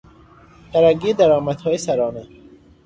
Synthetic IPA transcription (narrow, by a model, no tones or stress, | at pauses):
d̪̥æɾæɡiːd̪æɾɒːmæd̪hɒːjesæɾɒːnɛ